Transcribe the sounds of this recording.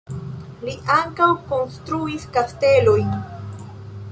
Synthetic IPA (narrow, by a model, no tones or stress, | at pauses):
liʔaŋkawkonst̪ɾuiskast̪e̞loj